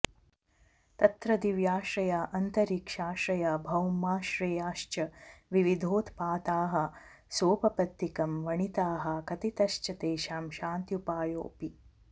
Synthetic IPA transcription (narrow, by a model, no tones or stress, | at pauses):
t̪ɐt̪ɾɐd̪iʋjaːʃɾɐjaːʔɐnt̪ɐɾikʂaːʃɾɐjaːbʱɐwmaːʃɾejaːʃt͡ʃɐʋiʋid̪ʱoːt̪ʰpaːt̪aːɦɐ̆ | soːpɐpɐt̪ːikɐmʋɐɳit̪aːɦɐkɐt̪it̪ɐʃt͡ʃɐt̪eːʃaːmʃaːnt̪jupaːjo̰ːpi